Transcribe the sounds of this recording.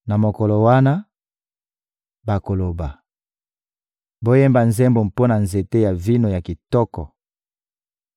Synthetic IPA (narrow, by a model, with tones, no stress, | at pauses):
na˨mo˨kɔ˨lo˨wa˦na˦ | ba˨ko˨lo˨ba˨ | bo˦jɛ˦mba˨nzɛ˦mbo˨mpo˦na˨nze˨te˦ja˨vi˦no˨ja˨ki˨tɔ˦kɔ˨